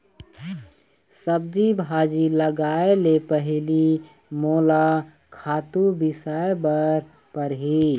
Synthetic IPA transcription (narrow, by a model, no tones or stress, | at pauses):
səb̚d͡ʒibʱaːd͡ʒiləɡaːelepəɦli | moːla | kʰaːt̪ubɪsaːebəɾ | pəɾɦi